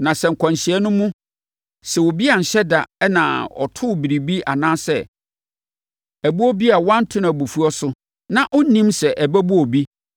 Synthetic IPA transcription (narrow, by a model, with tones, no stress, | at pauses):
nã˨sɛ˨ŋ̩˨kʰɔ̃˨n˨ɕɪ˨ɛ˦nʊ̃˦mũ˦ | sɛ˨wɔ˨bi˦a˨n̩˨ɕɛ˦da̰˨ɛ˦nã̰˨ɔ̰˨tʰʊ˦˨bi˨ɾi˨bi˦ʔa˨nãː˦sɛ̰˦˨ | æ˨bu˦ɔ˦bi˦a˨wã˦n̩˦tʰʊ˦nã˨bu˨fu˦ɔ˦sʊ˦ | nã˨ʔɔ˦nĩ˦msɛ˨ʔæ˨bæ˦bu˦ɔ˨bi˦